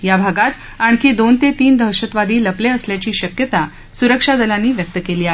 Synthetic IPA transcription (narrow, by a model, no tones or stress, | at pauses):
jabʱaɡat̪ | aɳ̃kiːd̪ont̪et̪iːnd̪ʱəɾɕət̪ʋad̪iːləpleəsljat͡ɕiːɕəkjət̪a | suɾəkʂad̪əlanːiːʋjək̚t̪əkeliːaɦe